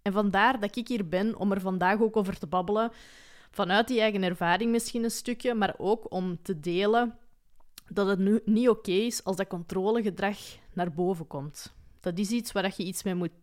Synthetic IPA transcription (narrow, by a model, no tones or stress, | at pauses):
ɛnvɑndaːrdɑɪkɪkiːrbɛnɔ̰mərvɑndaːxoːkoːvərtəbɑbələ | v̥ɑnœːt̚diɛjɣənɛrvaːɾɪŋmɪsxinənstʏkjəmaːroːkɔmtədeːlə | dɑtətynioːkeːɪsɑlˠzdɑkɔntroːləɣədrɑxnaːrboːvəkɔmtd̥ɑtɪsitswaːdɑxjəitsmeːmut̚